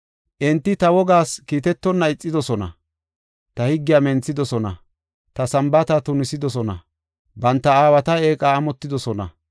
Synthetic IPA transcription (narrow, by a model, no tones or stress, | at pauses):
ʔɪnt̪ːɪt̪ɐwɔɡaːskiːt̪ɛt̪ːɔnːɐɪt͡sʼːɪd̪ɔsɔnɐ̰ | t̪ɐhɪɡːɪjaːmɛnt͡sːɪd̪ɔsɔnɐ̰ | t̪ɐsɐmbɐt̪ɐt̪ʊnɪsɪd̪ɔsɔnɐ̰ | bɐnt̪ːɐaːwɐt̪ɐeːkʼaːmɔt̪ːɪd̪ɔsɔnɐ̰